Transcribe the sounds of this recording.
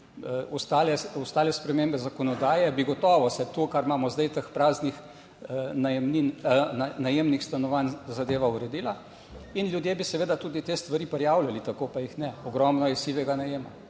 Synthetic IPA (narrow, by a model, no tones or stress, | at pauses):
ɔst̪aːlɛɔst̪aːlɛspɾɛmeːmbɛzakɔnɔd̪aːjɛbiɡɔt̪ɔːʋɔsɛt̪ukaɾmaːmɔzd̪ajt̪əxpɾaːznix | najɛmninnanajemnixst̪anɔʋanzad̪eːʋauɾɛd̪iːla | inlʲjud̪jebisɛʋeːd̪at̪uːd̪it̪est̪ʋaɾipɛɾjaːwlʲalit̪akopajixnɛɔɡɾɔmnɔjɛsiʋɛɡanajeːma